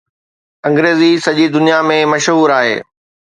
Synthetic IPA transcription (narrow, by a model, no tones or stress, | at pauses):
ɐ̃ŋɡɾeːzisɐʄid̪ʊnijamẽmɐʃɦuːɾaːɦḛː